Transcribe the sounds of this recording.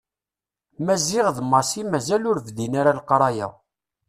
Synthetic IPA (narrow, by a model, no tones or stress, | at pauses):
mæzɪʁðmɑsimæzælʊɾvðinaɾalqɾˤɑjæ̰